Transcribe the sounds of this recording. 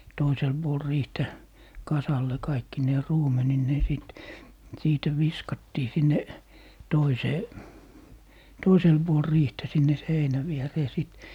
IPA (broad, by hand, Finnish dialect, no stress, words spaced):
toisel b̥uol riːhtæ kɑsɑlːe kɑikːineː ruːmeninːeː sit siːtæ ʋiskɑtːiː sinːe toiseː toisel b̥uol riːhtæ sinːe seinæ ʋiereː siˑt